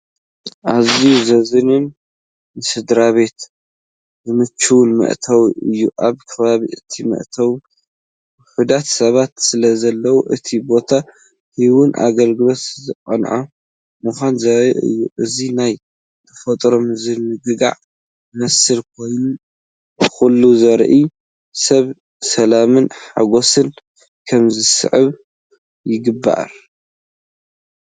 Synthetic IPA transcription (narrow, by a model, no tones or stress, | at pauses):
ʔazizɐzɨnɨn | mɨsɨd̪ɾaβe̞t̪ | zɨmɨt͡ʃːuwnmɐ̰ʔt̪ʰawʔɨjːuʔaβkʰɐβaβiʔɨt̪ʰimɐ̰ʔt̪ʰɐw | ħud̪at̪sɐβat̪sɨlɐzɐlːɐwuʔɨt̪ʰibo̞t̪ʰa | hiwʊnʔa̰ɡɐlɡɨlo̞t̪zɨqʼɐnʕo | mɨxʷanzɐɾḭʔɨ̰jːuʔɨzinaj | t̪ʰɐfɐt̪ʼɾomɨzɨmɨɡɨɡa̰ʕ | mɐsɨlk̚ʰo̞jnu | xulːuzɐɾʔi | sɐβ | sɐlamɨnħaɡo̞sɨn | kʰɐmzɨsɨ̰ʕɨβ | jɪɡɨbːa̰ʔɾ